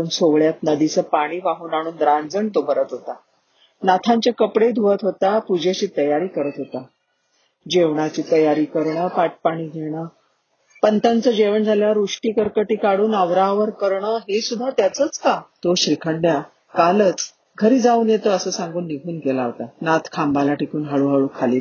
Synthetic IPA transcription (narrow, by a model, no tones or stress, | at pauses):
uːnsoʋɭjat̪nəd̪it͡səpaɽ̃iːʋaɦuːnaɽ̃uːnd̪ɾand͡zəɳt̪obəɾət̪ɦot̪a | nat̪ʰaɲt͡ɕjakəpɽed̪ʱuʋət̪ɦot̪apud͡ʑʱet͡ɕiːt̪əjaɾiːkəɾət̪ɦot̪a | d͡ʑeʋɳat͡ɕiːt̪əjaɾiːkəɾɳəpaʈ̚paɽ̃iːɡʱeɳ̃ə | pənt̪ant͡səd͡ʑeʋəɳd͡zʱaljaʋəɾuʂʈiːkəɾkəʈiːkaɽuːnəʋɾaʋəɾkəɾɳəɦesud̪ʱːat̪jat͡sət͡skat̪oɕɾikʰəɳɖja | kalət͡s | ɡʱəɾiːd͡zauːnjet̪oəsəːsãŋɡuːnːiɡʱuːnkelaɦot̪anat̪ʰkʰambʱalaʈʰikuːnɦaɭuːɦaɭuːkʰaliː